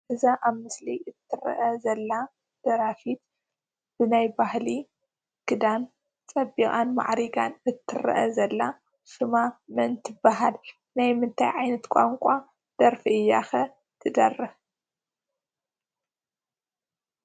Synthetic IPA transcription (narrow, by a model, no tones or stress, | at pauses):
ʔɨzaʔaβmɨsliʔɨt̪ʰːɨɾɐ̰ʔɐzɐlːa | d̪̥ɐɾafit̪ | b̥ɨnajbahli | kʰɨd̪an | t͡sʼɐbikʼanma̰ʕɾiɡanɨt̪ʰːɨɾɐ̰ʔɐ̰zɐlːa | ʃɨmamɐnt̪ʰɨbaɦal | najmɨnt̪ʰajʕajnɐt̪kʷʼa̰ŋkʷʼa | d̪̥ɐɾfiʔɨjːa̰xɐ | t̪ʰɨd̪ɐrːɨh